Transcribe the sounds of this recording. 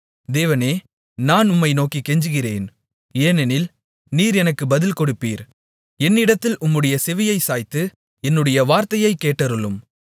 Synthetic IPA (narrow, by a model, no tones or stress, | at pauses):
d̪eːʋɐneː | naːnʊmːɐɪnoːkikːɛɲd͡ʒɯɣɪrḛːn | eːnɛnɪl | niːɾɛnɐkːɯbɐðɪlkɔɽɯpːiːɾ | ɛnːɪɽɐt̪ːɪlʊmːɯɽɐjɐsɛʋɪjɐɪsaːjt̪ːɯ | ɛnːɯɽɐjɐʋaːɾt̪ɐjɐɪkːeːʈːɐɾɯlɯm